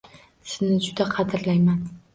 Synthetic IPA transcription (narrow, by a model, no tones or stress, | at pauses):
sɪnɪd͡ʒʊd̪aqʰɑd̪ɪɾlajman